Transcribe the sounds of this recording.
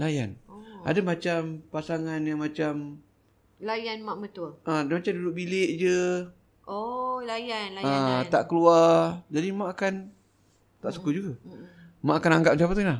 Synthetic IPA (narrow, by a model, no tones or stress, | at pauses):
laja̰nʔa̰damat͡ʃampasaŋanjaŋmat͡ʃam | lajanmaʔmət̪ʊʔədamat͡ʃamdudʊʔ̚bilɪʔd͡ʒə | olajanlaət̪aʔkəluad͡ʒadimaʔakan | t̪aʔsukud͡ʒuɡa | maʔakanaŋɡap̚sapat̪ulah